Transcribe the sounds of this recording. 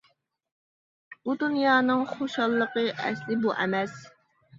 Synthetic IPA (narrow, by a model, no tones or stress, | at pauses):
bud̪unjɑːnɨŋχoʃɑlˠːəqəʔɛ̰slɪbuʔɛmɛs